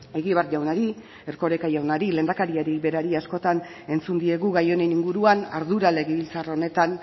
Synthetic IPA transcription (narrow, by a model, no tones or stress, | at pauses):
e̞ɣiβarʝawnaɾi | eɾko̞ɾe̞kaʝawnaɾile̞ːnd̪akaɾiaɾibe̞ɾaɾiasko̞t̪ane̞nt͡sund̪ie̞ɣuɣajo̞neniŋɡuɾuana̰ɾðuɾale̞ɣeβilt͡saro̞ne̞t̪an